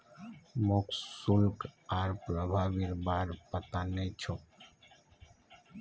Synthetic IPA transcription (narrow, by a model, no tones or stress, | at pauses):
moksulkaɾpɾəbʱaːʋiɾbaːɾpət̪anet͡ʃʰo